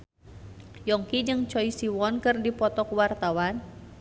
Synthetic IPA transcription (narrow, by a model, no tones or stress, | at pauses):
jɔŋkid͡ʒɨŋt͡ʃɔisiwɔnkɨrdipɔt̪ɔkwart̪awan